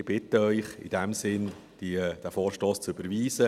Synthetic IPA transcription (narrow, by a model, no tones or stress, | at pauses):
b̥ɪtəœʏχɪ̰d̥ɛmsɪn | d̥id̥æfɔːɾʃtoːst͡syb̥əɾviːzə